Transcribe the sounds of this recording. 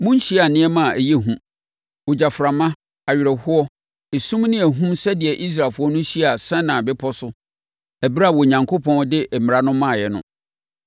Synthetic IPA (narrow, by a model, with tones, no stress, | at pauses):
mũ˦n˦ɕi˦a˨nɪ̃˦ɛ˦mã˦˨æ˨je˦ɦũ˦ | o˨d͡ʑa˨fɾa˨mã˦ | a˨ɥɪ˨ɾɛ˨hʊ˦ɔ˦ | e˨sũ˦mnɪ̃˦ɛ˨ɦũ˦msɛ˦dɪ˨ɛ˨ʔi˦s̬ɾaː˨lfʊ˦ɔ˦nʊ̃˦ɕi˦˨a˨sɛ̃˦nã˨bɪ˦pʰɔ˦sʊ˦ | æ˨bɾa˦˨wɔ˨ɲã˨ŋkʰo˦pʰɔ̃˦n˦dɪ˦ʔm˨ɾa˦nʊ̃˦mã˦˨jɛ˨nʊ̃˦